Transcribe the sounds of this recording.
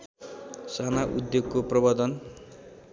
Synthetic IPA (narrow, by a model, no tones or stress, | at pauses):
sanaʔud̪joɡkoprʌbʌd̪ʌn